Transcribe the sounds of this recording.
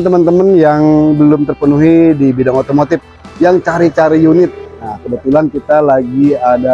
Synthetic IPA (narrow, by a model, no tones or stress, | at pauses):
nt̪əmənt̪əmənjaŋbəlʊmt̪ərpənuɦidibidaŋot̪omot̪ɪf̚ | jaŋt͡ʃaɾit͡ʃaɾijunɪt̪̚nahkəbət̪ulankit̪alaɡiada